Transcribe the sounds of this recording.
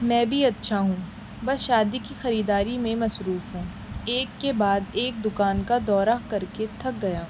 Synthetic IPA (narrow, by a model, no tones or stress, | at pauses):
mɛ̃ːbʱiɐtːʃʰaɦũː | bɐsʃaːd̪ikixɐɾiːd̪aːɾimẽmɐsɾuːfɦũː | eːkːebaːd̪eːk̚d̪ʊkaːnkad̪ɔːɾakɐɾket̪ʰɐk̚ɡɐjaː